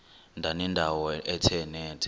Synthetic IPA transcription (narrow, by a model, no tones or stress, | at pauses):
ndʱanɛndʱawɔɛtʰɛnɛːtʰɛ̥